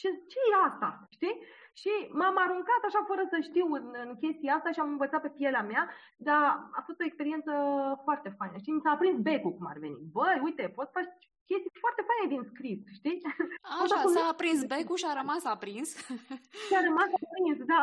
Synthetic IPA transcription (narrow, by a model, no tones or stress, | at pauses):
ʃit͡ʃejeast̪a̰ʃt̪iʃimamaɾuŋkat̪aʃafəɾəsəʃt̪iwɨnɨnkʲe̞st̪iaast̪aʃiamɨnvət̪sat̪̚pe̞pjeleamea | d̪aa̰fo̞st̪o̞ekspe̞ɾie̞nsəfoart̪e̞fajnəʃt̪imisaːpɾinsbe̞kukuma̰reve̞nḭt̪̚bəjujt̪e̞po̞t̪sə̥fat͡ʃ | kʲe̞st̪ifoart̪e̞fajned̪inskɾisʃt̪iaaʃaaumaːpɾinsbekuʃiaɾəmasapɾins | ʃiaɾəmasapɾinsd̪a